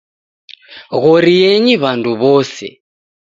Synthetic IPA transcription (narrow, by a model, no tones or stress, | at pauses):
ɣɔɾijeɲiβandʱuβɔːsɛ̰